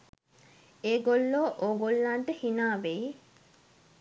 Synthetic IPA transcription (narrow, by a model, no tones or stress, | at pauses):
eːɡolːoːʔoːɡolːanʈəhinaːʋej